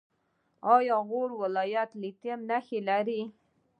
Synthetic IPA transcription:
ɑjɑɣoɽwɪlɑjat̪lit̪emnaxelaɾi

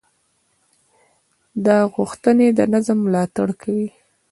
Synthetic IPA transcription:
d̪ɑɣuxt̪əned̪ənazəmːlɑt̪aɽkʰawi

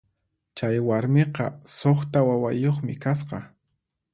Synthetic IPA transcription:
t͡ʃajwaɾmeqɑsoχt̪awawajoχmɪkas̬qɑ

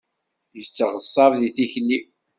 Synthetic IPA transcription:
jət͡sːəʁəsˤːɑɾˤðiθiçnːi

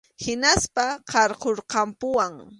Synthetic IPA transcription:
hɪnaspaqɑɾqoɾqɑmpʊwaŋ

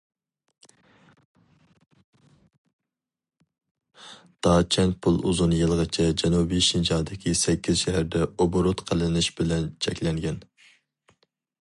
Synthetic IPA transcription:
d̪̥ɑːt͡ʃʰɛn̚pʰulˠuzunjɨlˠʁɑt͡ʃʰɛd͡ʒɛnubijʃind͡ʒɑːd̪ɪkʲʰisɛkʲːiz̥ʃɛɦæɾd̪ɛoboɾot̪qʰəlˠɪnɪʃbɪlɛnt͡ʃʰɛkʲlɛŋɡʲɛn

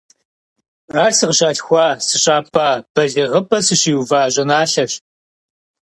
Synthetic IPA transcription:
aːsɨʁɕaːɬxʷɑːsɨɕʼaːpʰʼaːb̥ɐɮiʁəpʼɐsɨɕiːwvaːʑʼɐnaːɬɐɕ

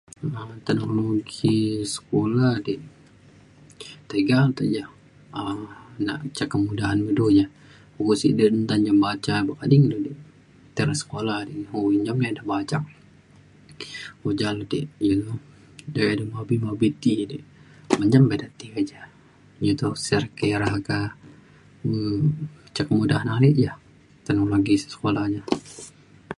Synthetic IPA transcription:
əmt̪ɛnoloɡisə̥kolahdi | t̪eɡalt̪ad͡ʒa | ənaʔt͡ʃakamudaɦanmidud͡ʒa | hukusḭdiənt̪aɲd͡ʒambat͡ʃabakadiŋdodi | t̪ɛɾasə̥kolahdihoiɲd͡ʒamɲadahbat͡ʃaŋ | hod͡ʒaludiʔjilu | dedəmabimabit̪idiʔ | məɲd͡ʒambedat̪iad͡ʒa | d͡ʒut̪usɛrkeɾaɦka | ə | t͡ʃakəmudaɦanaliʔja | t̪ənoloɡisə̥sə̥kolahɲa

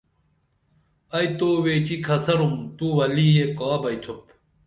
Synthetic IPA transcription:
ɐjt̪oweːt͡ɕikʰɐsɐɾumt̪uwɐlijekaːbɐjt̪ʰop

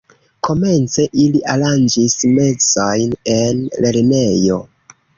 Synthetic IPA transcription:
ko̞me̞nt͡se̞ʔiliʔaland͡ʒisme̞t͡sajne̞nlʔe̞ɾne̞jo̞

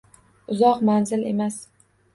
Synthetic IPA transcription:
ʊzɒqmanzɪle̞̰mas

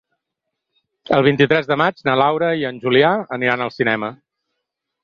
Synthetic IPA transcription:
əlˠβ̞int̪it̪ɾɛzðəmad͡ʒnalawɾəiənʲʒuliaəniɾanəlˠsinɛmə

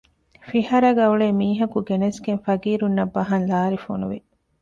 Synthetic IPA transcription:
fiɦɐɾɐɡɐuɭeːmiːɦɐkuɡenɐsɡenfɐɡiːɾunːɐbːɐɦɐnlaːɾifo̰nṵʋḭ

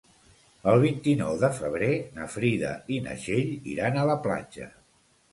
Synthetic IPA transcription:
əlˠβ̞int̪inɔwðəfəβ̞ɾenəfɾiðə̰inə̰ʒeʎḭɾanələpla̰d͡ʒə̰

